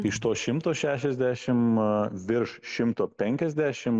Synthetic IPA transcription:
ɪʃt̪oːʃʲɪmt̪oːʃʲæːʃʲɛzʲd̪ʲæːʃʲɪmʋʲɪɾʃʃʲɪmt̪oːpʲɛŋʲkʲɛzʲd̪ʲæːʃʲɪm

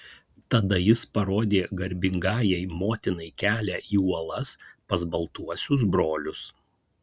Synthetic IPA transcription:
t̪ɐd̪ɐjɪspɐɾoːd̪ʲeːɡɐɾʲbʲɪŋɡɑːjɛɪmoːt̪ʲɪnɐɪkʲæːlʲæʔiːuɔlˠɐspɐzbɐlˠt̪uɔsʲʊs̬bɾoːlʲʊs

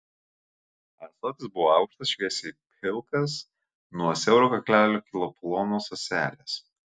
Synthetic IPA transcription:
ɛsot̪ʲɪsbʊʋoːɑˑʊkʃt̪ɐsʃʲʋʲiɛsʲɛpʲʰɪlˠkɐs | nuɔsʲɛʊɾoːkɐklʲæːlʲuːkʲɪlˠɔplˠɔnoːsɐsʲæːlʲeːs

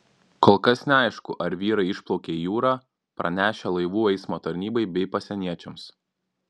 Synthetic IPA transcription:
koːlˠkɐsnʲɛɐɪʃkʊʔɐɾʋʲiːɾɐɪɪʃplˠɔʊkʲeːijuːɾɑː | pɾɐ̰nʲæːʃʲɛlˠɐɪʋuːɛɪsmoːt̪ɐɾʲnʲiːbɐɪbʲɛɪpɐsʲɛnʲiɛt͡ʃʲɛms

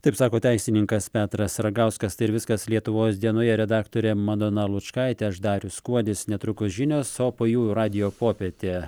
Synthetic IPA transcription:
t̪ɐɪpsɑːkoːt̪ʲæɪsʲɪnʲɪŋkɐspʲæːt̪ɾɐsɾɐɡɐʊskɐst̪ɐɪɪɾʋʲɪskɐslʲiɛt̪ʊʋoːsd̪ʲiɛnoːjɛɾʲɛd̪ɑːkt̪oːɾʲɛmɐd̪oːnɐlˠʊt͡ʃkɐɪt̪ʲɛːɐʃd̪ɑːɾʲʊskuɔd̪ʲɪsnʲɛt̪ɾʊkʊsʒʲɪnʲoːsoːpoːjuːjɾɑːd̪ʲɪjoːpoːpʲɛt̪ʲe

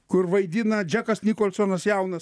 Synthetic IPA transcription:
kʊɾʋɐɪd̪ʲɪnɐd͡ʒʲækɐsnʲiːkoːlˠʲsonɐsjæˑʊnɐs

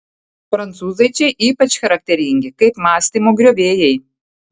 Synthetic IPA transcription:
pɾɐnt̪suːzɐɪt͡ʃʲɛɪʔiːpɐt͡ʃʲxɐɾɐk̚t̪ʲɛɾʲɪŋʲɡʲɪkɐɪpmɑːsʲt̪ʲiːmoːɡɾʲoːʋʲeːjɛɪ

